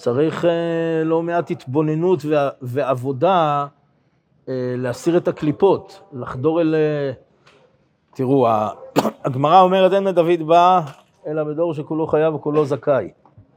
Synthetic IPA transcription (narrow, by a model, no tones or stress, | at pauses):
t͡saʁiχelo̞meathit̪bo̞ne̞nutveveavo̞da | eleasiʁe̞taklipo̞tlaχdo̞ʁele | tiʁuaː | ɡmaʁao̞meʁetdenmedavid̪ba | e̞labe̞d̪o̞ʁʃekulo̞χajavkulo̞zakaj